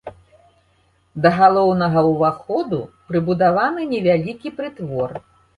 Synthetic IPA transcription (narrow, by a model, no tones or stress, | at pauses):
d̪ɐɣalˠɔwnɐɣɐwvaxɔd̪ṵpɾɨbud̪avanɨnʲɛvʲalʲikʲipɾɨt̪vɔr